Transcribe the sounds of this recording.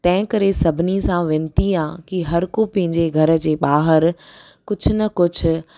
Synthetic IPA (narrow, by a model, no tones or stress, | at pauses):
t̪ɐ̃ɦɪ̃kɐɾesɐbʱɪnisãʋɪ̃nt̪iãːkiɦɐɾkopɐ̃ɦɪ̃ɲd͡ʑeɡʱɐɾə̆d͡ʑeːɓaːɦəɾ | kʊd͡ʑʱʊnɐkʊd͡ʑʱʊ̆